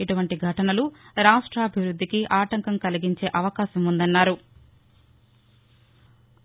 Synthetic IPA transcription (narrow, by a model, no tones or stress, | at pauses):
iʈuʋɐɳʈiɡʱɐʈɐnɐluɾaːʂʈɾɐːbʱiʋɾud̪ʱːikiʔaːʈɐŋkɐmkɐliɡiɲt͡ʃe̞ːʔɐʋɐkaːʃɐmund̪ɐnːaːɾu